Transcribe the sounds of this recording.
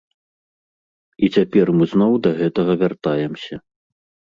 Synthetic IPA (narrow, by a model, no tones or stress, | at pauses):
it͡sʲapʲɛrmɨznɔwd̪ɐɣɛt̪ɐɣɐvʲart̪ajɛmsʲɐ